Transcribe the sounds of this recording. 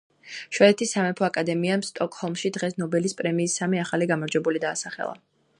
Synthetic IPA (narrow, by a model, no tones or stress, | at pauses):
ʃwɛɛt̪ʰisːamɛpʰɔakʼad̪ɛmiamst̪ʼɔkʼhɔlˠmʃid̪ʁɛsnɔbɛlispʼɾɛmiːsːamiaχaliɡamɔɾd͡ʒwɛbulid̪aːsaχɛ̰lˠa̰